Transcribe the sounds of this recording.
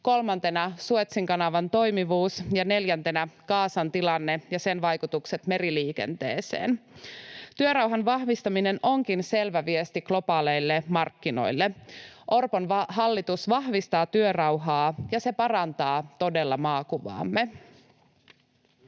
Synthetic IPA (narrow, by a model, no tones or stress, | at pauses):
ko̞lmɑnt̪e̞nɑsuet̪siŋkɑnɑʋɑnt̪o̞jmiʋuːsjɑne̞ljænt̪e̞nækɑːsɑnt̪ilɑnːe̞jɑse̞nʋɑjkut̪ukset̪me̞ɾiliːke̞̰nt̪ḛːsḛːn | t̪yøɾɑwɦɑnʋɑhʋist̪ɑmine̞nʔo̞ŋkinse̞lʋæʋiest̪iklo̞pɑːle̞jlːemɑrkːino̞̰jlːeʔo̞rponʋɦɑlːit̪usʋɑhʋist̪ɑːt̪yørɑwɦɑːjɑse̞pɑrɑnt̪ɑːt̪o̞de̞lːɑmɑːkuʋɑ̰ːmːe